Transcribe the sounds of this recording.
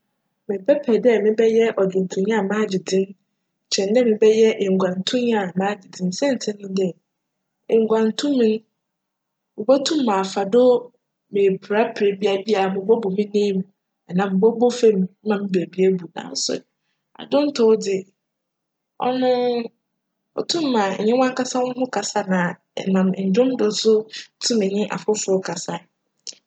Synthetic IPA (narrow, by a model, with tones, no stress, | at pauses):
mɪ̃˨pʰɛ˦pʰɛ˨dɛ˦mɪ̃˦bɛ˦jɛ˦ʔɔ˨d͡ʑʊ˨n˨tʰũ˨ɲã˦˨mãː˦d͡ʑɪ˨dɪ̃˦n˨ | t͡ɕʰɛ̃˨n˦dɛ˦mɪ̃˨bɛ˦jɛ˦ʔɪ˨ŋ̩˨ɡʷã˨n˨tʰʊ̃˦ɲ˦˨mãː˦d͡ʑɪ˨dɪ̃˦nsɛ̃˦n̩˨tʰɪ̃˦nʊ̃˦dɛ˦ | ɪ̃˨ŋ˨ɡʷã˨n˨tʰũ˦mĩ˨ñ˦ | mʊ˨bɔ˦tʰũ˦mː˦ã˨fa˨dʊ˦ | mɪ̃˨pʰɾa˦pʰɪ˨ɾe˨bi˦a˨bi˦a˨a˨mʊ̃˨bɔ˦bo˨mĩ˦nĩ˦mũ˨ | ɛ˨nã˨m̩˨bɔ˦bɔ˦fe˦mĩ˨˦mã˨mĩ˦be˨bi˨e˦bu˨nã̰˨n̩˦sʊ̰˨ | a̰˨dʊ̃˦n̩˦tʰʊ˨˦dɪ˨ | ɔ̰˦nʊ̃˦ | ɔ̰˨tʰũ˦m˦mã˨ɲ̰˨ɲɪ̃˦wã˦ŋ˦ka˦sã˦wʊ̃˦ɦʊ̃˦kʰa˨sa˦nã˨ | mã˨m˨ɲ̩˨d͡ʑᶣʊ̃˦m˦dʊ˨˦sʊ˦tʰũ˦mɪ̃˨ɲɪ̃˦ʔa̰˨fʊ˦fʊ˦ɔ˦kʰa˨sa˨